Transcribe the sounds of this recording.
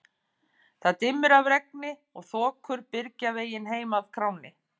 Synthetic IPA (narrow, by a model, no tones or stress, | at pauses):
θaðt̪ɪmːɪɾavɾɛk̚nɪɔɣθɔːkʰʏɾpɪɾcaveːjɪnɦeːjmaðkʰɾaːwnɪ